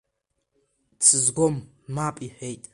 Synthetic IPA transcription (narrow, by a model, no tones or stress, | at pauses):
t͡sʰɨzɡʷɔmː | aːpʼiħejtʼ